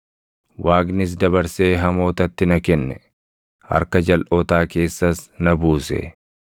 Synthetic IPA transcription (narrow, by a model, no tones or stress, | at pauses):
waːɡnɪs̬d̪ɐβɐɾse̞ːɦɐmo̞ːt̪ɐt̪ːɪnɐkɛnːɛ | hɐ̰ɾkɐd͡ʒɐlʔoːt̪aːke̞ːsːɐsnɐbuːsɛ̰